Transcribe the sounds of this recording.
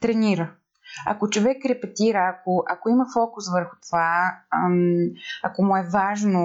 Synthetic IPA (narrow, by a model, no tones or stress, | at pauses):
t̪ɾɛniɾə | ɐ̰kot͡ʃovɛkɾɛpɛt̪iɾəːkoʔɐkoimɐfɔkʊsvəɾxʊ̥t̪ova | ɐkomuɛvaʒno